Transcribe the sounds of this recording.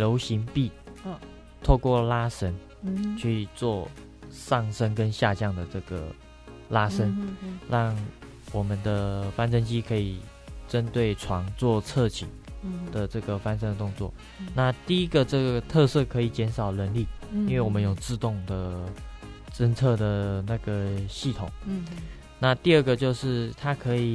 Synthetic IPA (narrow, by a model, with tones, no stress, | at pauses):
ljo˧˥ʊɕi˧˥ŋpi˥˩ | t̪ʰo˥˧ʊkwɔ˥˩la˥ʂə˥n | t͡ɕʰy˥˧t͡swɔ˥˧ | ʂɑ˥˩ŋʂə˥nkə˦nɕja˥˧t͡ɕjɑ˥˩ŋd̪ə˩ʈ͡ʂɤ˥˩ɡə̰˩ | la˥ʂə˥nɻɑ˥˩ŋ | wɔ˨˩mə˦nd̪ə˧fa˥nʂə˥nt͡ɕi˥kʰɤ˧˥i˨˩ | ʈ͡ʂə˥nt̪we˥˩ɪʈ͡ʂʰwɑ˧˥ŋt͡swɔ˥˧t͡sʰɤ˥˩t͡ɕʰḭ˨˩nd̪̥ə˨ʈ͡ʂɤ˥˩ɡə˩fa˥nʂ̬ə˥ŋd̪ə˨t̪ʊ˥˧ŋt͡swɔ̰˥˩ | na˥˧t̪i˥˩i˦˥ɡə˨ʈ͡ʂɤ˥˩ɡə˩t̪ʰɤ˥˧sɤ˥˩kʰɤ˧˥i˨˩t͡ɕjɛ˧˥nʂɑ˨˩ʊlə˧˦nli˥˩i˥˦nwe˥˩wɔ˨˩mə˦njo˨˩ʊt͡sɹ̩˥˧t̪ʊ˥˩ŋd̪ə˩ | ʈ͡ʂə˥nt͡sʰɤ˥˩d̪ə˩na˥˩ɡə˩ɕi˥˩t̪ʰʊ˨˩˦ŋ | na˥˧t̪i˥˧ə˥˩ɡə˩t͡ɕjo˥˧ʊʂɻ̩˥˩t̪ʰa˥kʰɤ˧˥i˨˩